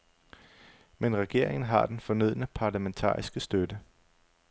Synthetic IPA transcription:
menʁɛɡ̥e̝ɐ̰e̝ŋn̩ɦɑ̈d̥enfɒ̽nyð̰ˠnəpʰɑ̈læment͡sʰɑ̰̈ːisɡ̥əsd̥ød̥ə

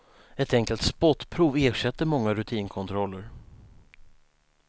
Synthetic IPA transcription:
ɛt̪ɛŋkəlt̪spɔt̪ːpʰɾuːveːʂɛt̪ːəɾmɔŋːaɾɵt̪ʰiːnkʰɔnt̪ʰɾɔlːəɾ

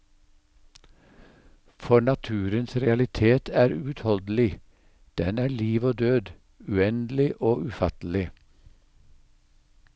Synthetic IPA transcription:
fɔɳɑt̪ʰʉːɾənsɾɛɑlɪt̪ʰeːt̪ʰæːɾʉːʉt̪hɔld̪l̩ɪ | d̪̥ɛnæːɭiːʋoːd̪øːd̪ | ʉːɛnd̪l̩ɪʔoːʔʉfɑt̪l̩ɪ

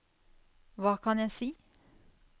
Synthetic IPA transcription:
ʋɑːkʰɑnjæɪsiː

